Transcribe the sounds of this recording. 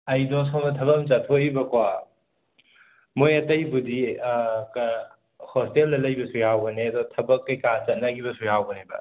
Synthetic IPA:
ɐjdɔs̬onɐtʰɐbɐmt͡ʃɐtʰoibɐkwa | mojɐtɐjbudik | hɔsteldɐlɐjbɐsujawɡɐneɐdɔtʰɐbɐkːɐjkat͡ʃɐt̚nɐɡibɐsujawɡɐnebɐ̰

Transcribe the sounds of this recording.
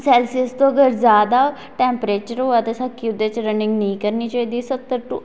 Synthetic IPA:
sɛːlsiəst̪õːəɡəɾzjaːd̪aː | ʈɛːmpɾeːt͡ʃəɾɦoːaːt̪eːsəkʰːiːʊd̪ːeːt͡ʃɾənɪ̃ŋɡnəĩːkəɾniːt͡ʃaːiːd̪iːsət̪ːəɾʈu

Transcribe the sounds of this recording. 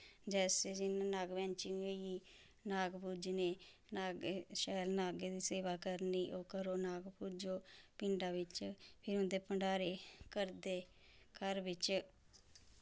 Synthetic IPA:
d͡ʒɛːseːd͡ʒɪnaːnaːɡʋɛ̃ːnt͡ʃioiː | naːɡpuːd͡ʒneː | naːɡeʃɛːlnaːɡeːd̪iːseːʋaːkəɾniːʔoːkəɾoːnaːɡpud͡ʒoːpɪɳɖaːʋɪt͡ʃpʰɪɾʊnd̪eːpəɳɖaːɾeːkəɾd̪eː | kəɾʋɪt͡ʃ

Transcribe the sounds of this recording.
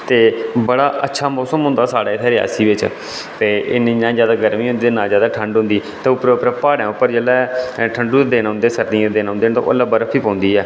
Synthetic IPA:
t̪eːbəɽaːʔətːʃʰaːmɔːsəmɦʊ̃nd̪aːsaːɽaːɪt̪ʰɛːɾɪja̰ːsiːʋɪt͡ʃ | t̪eːʔɪnẽnãːd͡ʒjaːd̪aːɡəɾmiːɦʊ̃nd̪iːeːnãːzjaːd̪aːʈʰəɳɖɦʊ̃nd̪iːt̪ẽːʊpɾpɾəpaːɽãːʊpːəɾd͡ʒeːlɛːʈʰəɳɖuːd̪eːnːʊ̃nd̪eːsəɾd̪iãd̪eːnɦʊ̃nd̪eːnt̪o̰ʔo̰ləbəɾəpʰːiːpɔ̃ːnd̪iːɛː

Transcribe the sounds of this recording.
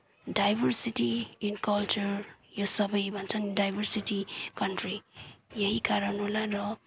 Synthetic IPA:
ɖajbʱʌrsiʈiinkʌlt͡ʃurjosʌbʌjbʱʌnt͡sʰʌnɖajbʱʌrsiʈikʌɳʈrijʌɦikaɾʌnolarʌ

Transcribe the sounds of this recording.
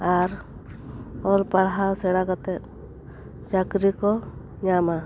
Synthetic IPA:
aɾ | ɔlpaɽɦawsɛɽakat̪ɛt̪̚ | t͡ʃakɾikɔ | ɲama

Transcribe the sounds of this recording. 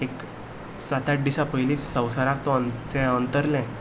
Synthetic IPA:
ek | sat̪aʈ̚ɖiɕapəjliːt͡ssə̃wsaɾak̚t̪ɔənt͡sɛ̃ənt̪əɾlɛ̃

